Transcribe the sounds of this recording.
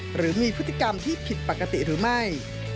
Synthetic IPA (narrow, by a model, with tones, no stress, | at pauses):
ɾɯː˩˦miː˧pʰɯ˦˥t̪ːi˨˩ka˧mt̪ʰiː˥˩pʰi˨˩t̪̚pa˨˩kːa˧t̪ḭ˨˩ɾɯː˩˦ma˥˩j